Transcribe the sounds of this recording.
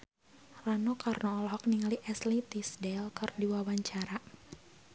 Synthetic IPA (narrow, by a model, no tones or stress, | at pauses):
ranɔkʰarnɔːlɦɔk̚niŋaliʔɛslit̪isdɛlkərdiwawaɲt͡ʃaɾa